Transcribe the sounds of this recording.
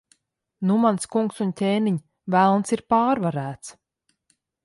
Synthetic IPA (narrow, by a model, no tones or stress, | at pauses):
numanskuŋksuntʲeːniɲ | vælˠnsiɾpaːɾvaɾæːt̪s